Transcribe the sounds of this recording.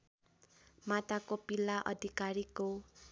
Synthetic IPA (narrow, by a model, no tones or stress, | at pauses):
mat̪akopilːaʔʌ̰d̪ʱikaɾiko